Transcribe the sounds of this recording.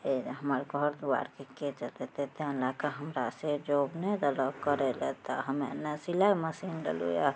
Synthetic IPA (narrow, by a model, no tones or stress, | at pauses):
eɦəməɾɡʱɔɾd̪ua̰ɾkeket͡ʃət̪et̪et̪ẽlakaɦəmɾased͡ʒobned̪əlɔkəɾɛlɛt̪əɦəmenːasilaməsinɖḛlṵja̰